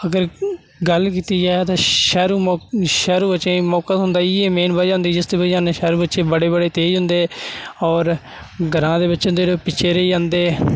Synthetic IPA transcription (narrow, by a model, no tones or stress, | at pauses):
əɡəɾ | ɡəlkiːt̪iːd͡ʒɛːt̪ãːʃɛːɾuːʃɛːɾuːbət͡ʃẽːmɔːkəsɦʊnd̪aːiːeːmeːnbəːd͡ʒãːnd̪iːd͡ʒɪsd̪eːbəaːneːʃɛːɾuːbətːʃẽːbəɽeːbəɽeːt̪eːd͡ʒɦʊnd̪eːɔːɾ | ɡəɾãːd̪eːbɪtːt͡ʃnd̪eːɾoːpɪt͡ʃʰeːɾəiːd͡ʒãːnd̪eː